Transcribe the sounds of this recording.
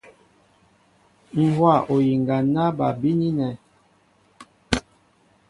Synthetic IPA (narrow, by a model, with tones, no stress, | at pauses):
ŋ̩˦˨hwa˦˨ʔo˨ji˨ŋɡa˨na˦ba˨bi˦ni˦nɛ˨